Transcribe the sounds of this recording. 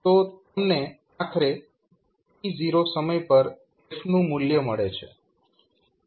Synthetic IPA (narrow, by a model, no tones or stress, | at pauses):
t̪ot̪əmne | akʰɾe | id͡ʒiɾosəməjpəɾd̪eʃnũmʊljəməɭet͡ʃʰḛ